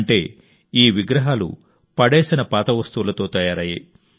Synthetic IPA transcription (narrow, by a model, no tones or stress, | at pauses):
ɳʈe̞ː | iːʋiɡɾɐɦaːlṵ | pɐɽɛːsinɐpaːt̪ɐʋɐst̪uʋulɐt̪o̞ːt̪ɐːjaːɾɐjḭ